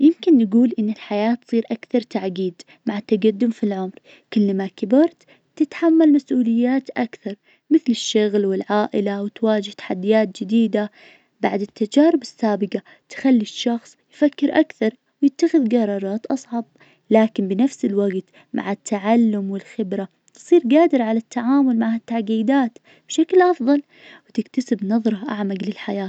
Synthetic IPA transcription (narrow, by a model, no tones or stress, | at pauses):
jɪmkɪnːɡuːlʔɪnːɪlħajaːt̪sˤiːɾʔakθɑɾˤt̪aʕɡiːd̪ | maʕat̪ːaɡad̪ːʊmfilʕʊmɾ | kɪlːmakɪbɪɾt̪ | t̪ɪt̪ħamːalmasʔuːlɪjːaːt̪ʔakθɑɾˤ | mɪθlɪʃːʊɣlwɪlʕaːʔɪlawɪt̪waːd͡ʒɪht̪ḁħad̪ːijaːt̪̚d͡ʒɪd̪iːd̪a | baʕd̪ɪt̪ːad͡ʒaːɾɪbɪsːaːbɪɡa | t̪xalːiʃːɑxsˤjfakːɪɾʔakθɑɾˤ | wjɪt̪ːaxɪðɡɑɾˤɑːɾˤɑːt̪ʔɑsˤʕɑb̚ | laːkɪnbɪnafsɪlwaɡt̪ | mʔa̰ʕat̪ʰːaʕalːʊmwɪlxɪbɾa | t̪sˤiːɾɡaːd̪ɪɾʕalat̪ːaʕaːmʊlmaʕhat̪ːaʕɡiːd̪aːt̪ | b̥ʃaklʔɑfðˤɑl | wɪt̪ɪkt̪asɪbnɑðˤɾˤɑʔaʕmaɡlɪlħajaːt̪